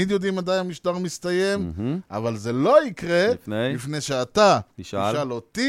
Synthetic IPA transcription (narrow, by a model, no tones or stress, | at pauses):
id̪jo̞d̪imad̪ajnamiʃt̪aʁmist̪aje̞ma̰valze̞lo̞ikʁe̞nifne̞jʃeat̪aiʃialot̪i